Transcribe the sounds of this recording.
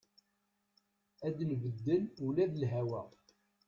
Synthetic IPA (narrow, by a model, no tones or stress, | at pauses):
æd̪əlvəd̪ːənulæðəlɦæwæ